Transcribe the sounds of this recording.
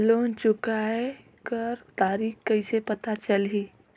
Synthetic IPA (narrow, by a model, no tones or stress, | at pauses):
loːnt͡ʃʊkaɛ | kəɾt̪aːɾiːkkəɪsepɐt̪at͡ʃəlɦi